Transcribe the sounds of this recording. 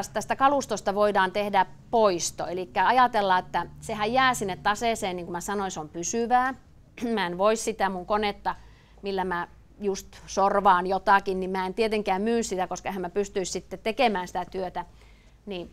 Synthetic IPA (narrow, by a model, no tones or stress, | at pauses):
st̪æst̪ækɑlust̪ost̪ɑʋoidɑːnt̪ehdæ | poist̪o̰elikːæɑjɑt̪elːɑet̪ːæsehæjjæːsinːet̪t̪ɑseˑseːnniŋkumæsɑnoinseompysyʋæː | mæenʋoissit̪æmuŋkonet̪ːɑ | milːæmæ | just̪sorʋɑːnjot̪ɑkinnimmæːent̪iet̪eŋkæːmmyːnssit̪ækoskɑehæmæpyst̪yissit̪ːet̪t̪ekemæːnsi̥t̪æt̪yøt̪æ | ni